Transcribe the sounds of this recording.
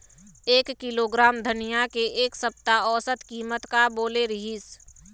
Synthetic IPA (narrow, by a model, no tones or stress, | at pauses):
eːkːiloɡɾaːmd̪ʱənijakeʔeːksəp̚t̪aɔːsət̪kiːmət̪kaboːleɾəɦis